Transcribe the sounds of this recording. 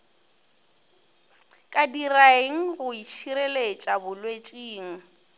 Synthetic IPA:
kʼadiraeŋ̩ɣʊit͡ʃʰiɾelet͡ʃʼabʊlwet͡ʃʼiːŋ̩

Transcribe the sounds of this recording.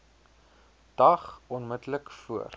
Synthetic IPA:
d̥ɐχɔnmətləkfuə̰r

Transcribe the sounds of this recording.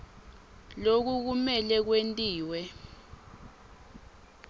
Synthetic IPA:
lok̬uk̬umɛlɛk̬wentʼiːwɛ

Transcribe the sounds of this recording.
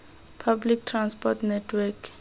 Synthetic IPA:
pʰablik̚tʰrãnspɔtnɛtʰwɛkʰ

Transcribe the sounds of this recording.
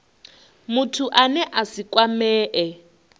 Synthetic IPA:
mutʰuʔanɛʔasikʼwamɛːʔɛ

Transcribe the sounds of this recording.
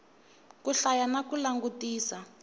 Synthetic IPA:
kuɬajanakulaŋɡutiːsa

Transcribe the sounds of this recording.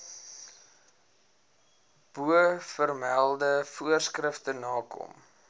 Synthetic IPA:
b̥uəfərmælˠdəfuərskrəftənɑːkɔ̰m

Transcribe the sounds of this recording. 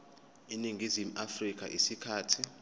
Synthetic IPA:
iniŋɡʱizimuafrik̬ʼa̰ʔisikʰaːtʰi

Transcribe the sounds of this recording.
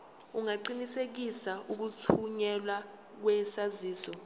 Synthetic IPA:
uŋaǃinisek̬isaʔuk̬utʰuɲɛlwa | k̬wɛsaziːsɔ

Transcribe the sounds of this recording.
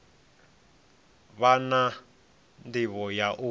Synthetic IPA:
βana | ndiβɔjaʔu

